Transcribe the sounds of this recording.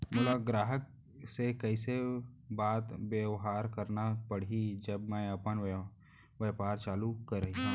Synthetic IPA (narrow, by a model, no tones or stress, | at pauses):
mʊlaɡɾaːɦək̚ | sekɐɪsebaːt̪bjəwɦaːɾkɐɾnapɐɽ̤id͡ʒəbmɛ̃ɐpən | ʋəpaːɾt͡ʃaːlukɐɾəɦi